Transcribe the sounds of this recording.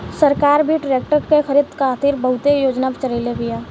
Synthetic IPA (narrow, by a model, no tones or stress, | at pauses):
səɾkaːɾbʱiɖɾeːk̚ʈəɾkexʰəɾɪd̪kʰaːt̪iɾbəɦʊt̪ejoːd͡ʒnabt͡ʃəɾeːlebɪjaː